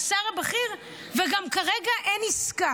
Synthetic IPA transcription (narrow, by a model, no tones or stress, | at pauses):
saʁabeχiʁ | veɡamkaʁeɡaʔeniska